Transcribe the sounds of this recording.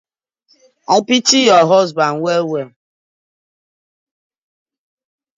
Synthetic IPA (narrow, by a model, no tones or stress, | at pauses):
ɔpit͡ʃijɔɦɔzbaŋ̩wewe